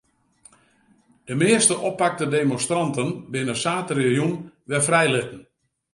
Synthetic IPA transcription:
d̥əmɪəstəʔɔpːak̚tədemɔnstrɑntənbɪnəsaːtərexjunʋɛfrɛjlɪtən̩

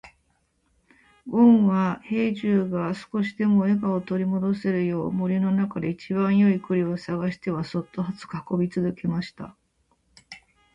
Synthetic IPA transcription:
ɡõ̞ɰ̃βahe̞ːʑɨːɡasɨ̥ko̞ɕid̪e̞mo̞e̞ɡao̞t̪o̞ɾʲimo̞d̪o̞se̞ɾɯ̟jo̞ːmo̞ɾʲino̞nakad̪e̞it͡ɕibãɰ̃jo̞ikɯ̟ɾʲio̞saɡaɕi̥t̪e̞βaso̞t̪ːo̞ɦat͡sɨ̥kaako̞bʲit͡sɨzɨke̞maɕi̥t̪a̰

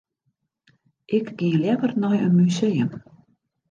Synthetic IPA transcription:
ʔɪkɡ̥iəljɛvərnɔjə̰nmysejəm

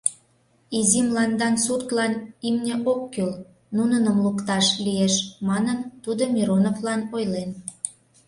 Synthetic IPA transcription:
izimlɑnd̪ɑnsurt̪lɑnimnʲeʔokːøl | nunənəmlukt̪ɑʃlijeʃmɑnənt̪ud̪omʲiɾonoflɑnojlen

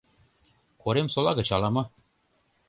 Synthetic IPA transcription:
koɾemsolˠɑɣɤ̆t͡ɕɑlɑmɤ̆

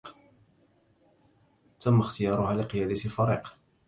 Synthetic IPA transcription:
t̪amːaxt̪ɪjɑːɾˤʊhaːlɪqɨjaːd̪at̪ɪfaɾiːq

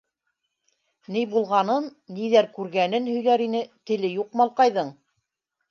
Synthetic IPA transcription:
nɘjbulˠʁɑnɤnːiðæɾkʉɾɡænɘnhɵ̆jlæɾinɘt̪ɘ̆lɘjuqmɑlˠqɑjðɤɴ

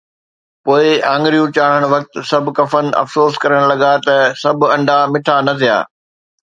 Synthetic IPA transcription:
poːɪãːŋɡɾijũt͡ɕaːɽ̤əɽ̃ʋɐk̚t̪sɐbʱʊ̆kɐfən̆ʔɐ̰fsoːskɐɾəɽ̃lɐɠat̪ɐsɐbʱɐ̃ɳɖʱamɪʈʰanɐt̪ʰija̰ː

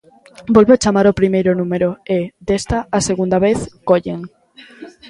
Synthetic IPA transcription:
bolβeoat͡ʃamaɾopɾimejɾonũmeɾoed̪est̪aaseɣũnd̪aβ̞eθkoʎeŋ

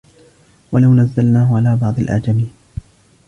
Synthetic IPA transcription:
walawnazːalnaːhʊʕalaːbɑʕd̪ˤɑlʔa̰d͡ʒamiːn

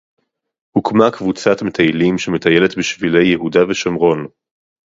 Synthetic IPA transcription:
hukmakvut͡satmetʰajlimʃeme̞taje̞letbiʃvile̞jːeɦudaveʃamʁo̞n

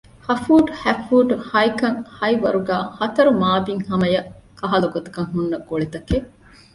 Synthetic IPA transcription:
hɐfuːʈhæfuːʈhɐjkɐŋhɐjʋɐ̰ɾuɡæːhɐt̪ɐɾumaːbiŋhɐmɐjɐkɐɦɐlɐɡot̪u̥kɐŋɦunːɐɡoɭet̪ɐke

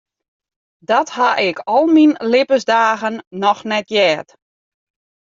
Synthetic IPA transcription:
dɔthaʔɪkʰɔlˠminlɪpəzdaːɣənːɔxnɛtjɛːt

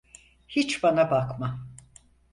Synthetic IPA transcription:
hit͡ʃbanabakma

